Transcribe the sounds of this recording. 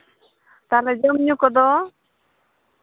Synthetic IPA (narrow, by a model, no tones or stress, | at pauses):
t̪aled͡ʒɔmɲukɔd̪ɔ